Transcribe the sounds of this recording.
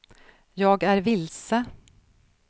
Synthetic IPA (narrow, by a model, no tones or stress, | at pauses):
jɑːɡæɾvɪlsə